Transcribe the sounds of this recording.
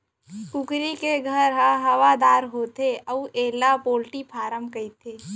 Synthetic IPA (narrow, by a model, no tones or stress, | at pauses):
kʊkɾikeɡʱəɾɦə̃ɦɐʋad̪aːɾɦoːt̪eʔəuʔeːlapoːlʈipʰaːɾəmkɐit̪ʰeː